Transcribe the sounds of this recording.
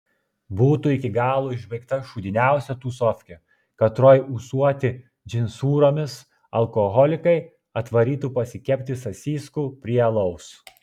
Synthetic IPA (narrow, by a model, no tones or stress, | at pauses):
buːt̪uːɪkʲɪɡɑːlˠuːɪʒʲbʲɛɪkt̪ɐʃuːd̪ʲɪnʲæˑʊsʲɛt̪uːsɔfʲkʲɛ | kɐt̪ɾoːjusuɔt̪ʲɪ | d͡ʒʲɪnʲsuːɾoːmʲɪs | ɐlˠkɔɣɔlʲɪkɐɪ | ɐt̪ʋɐɾʲiːt̪uːpɐsʲɪkʲɛpʲt̪ʲɪsɐsʲiːskuːpʲɾʲiɛlˠɐʊs